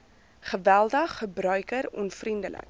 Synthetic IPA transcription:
χəvælˠdəχːəbrœɥkəɾɔ̰nfrindələ̰k

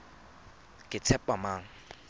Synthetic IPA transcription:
kit͡sʰɛppːamaŋ

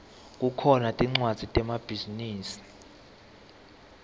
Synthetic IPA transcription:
kʼukʰɔnatʼiŋ͡ǀwad̥z̥ʱitʼɛmab̥ʱiziniːsi̥

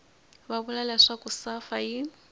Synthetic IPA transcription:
babʊlalɛʂakusafai

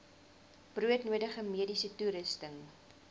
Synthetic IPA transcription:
b̥ruətnuədəχəmiədisətuɾəstəŋ

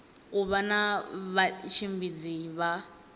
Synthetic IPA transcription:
uβanaβat͡ʃʰimbid͡ziβa

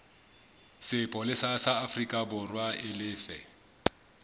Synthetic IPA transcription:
sɪpʼɔlɪsasaafrikʼabʊrwaɪlɪːfɛ

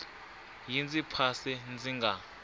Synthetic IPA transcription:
jint͡sʼipʰasɛnd͡ziŋɡa

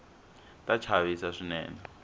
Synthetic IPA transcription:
tʼat͡ʃʰaβisaʂinɛ̰ːna

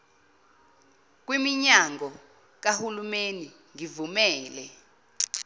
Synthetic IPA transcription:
k̬wimiɲaŋɡɔ | k̬ahulumeni | ŋivumɛːlɛ

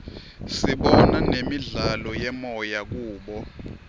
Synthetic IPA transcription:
siɓɔnanemiɮalɔjɛmɔjak̬uːɓɔ

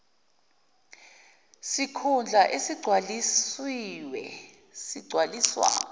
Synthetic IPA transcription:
sikʰund͡ɮʱaʔesiɡ͡ǀʱwalisiwɛ | siɡ͡ǀʱwaliswa̰ːnɔ

